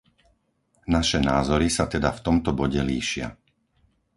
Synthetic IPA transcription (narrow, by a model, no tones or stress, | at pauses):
naʃɛnaːzɔɾisat̪ɛd̪aft̪ɔmt̪ɔbɔɟɛliːʃɪa̰